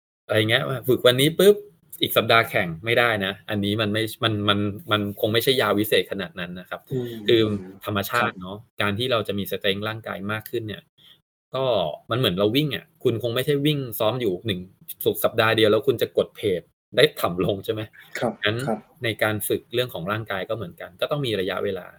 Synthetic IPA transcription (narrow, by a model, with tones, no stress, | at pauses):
ʔa˧ɾjŋi˦˥ɐʔwaː˥˩fɯ˨˩k̚wa˧nːiː˦˥pɯ˦˥p̚ | ʔiː˨˩k̚sa˨˩p̚daː˧kʰɛ˨˩ŋma˥˩jdaː˥˩jna˦˥ʔa˧nːiː˦˥ma˧nma˥˩jma˧nma˧nma˧nkʰo˧ŋma˥˩jt͡ɕʰa˥˩jaː˧wi˦˥seː˨˩t̪̚kʰa˧naː˨˩t̪̚na˦˥nːa˦˥kʰa˦˥p̚kʰɯː˧t̪ʰa˧mːa˧t͡ɕʰaː˥˩t̪̚nɔ˦˥kaː˧nt̪ʰiː˥˩ɾa˧wt͡ɕa˨˩ʔmiː˧sa˧t̪eː˦˥ŋɾaː˥˩ŋka̰ː˧jmaː˥˩kʰːɯ˥˩nːi˥˩ɐ | kɔː˥˩ma˧nmɯ˩˦ənɾa˧wi˥˩ŋʔa̰˨˩kʰu˧nkʰo˧ŋma˥˩jt͡ɕʰa˥˩jwi˥˩ŋsɔː˦˥mjuː˨˩nɯ˨˩ŋsu˨˩k̚sa˨˩p̚daː˧di˧əwlɛː˦˥wkʰu˧nt͡ɕa˨˩ko˨˩t̪̚pʰeː˨˩p̪̚ | daː˥˩jt̪ʰa˨˩mlo˧ŋt͡ɕʰe˥˩ma˦˥jʰna˦˥n | na˧jkaː˧nfɯ˨˩k̚ɾɯ˥˩əŋkʰɔː˩˦ŋɾaː˥˩ŋkaː˧jkɔː˥˩mɯ˩˦ənka˧nkɔː˥˩t̪ɔ˥˩ŋmiː˧ɾa˧ja˦˥ʔweː˧la̰ː˧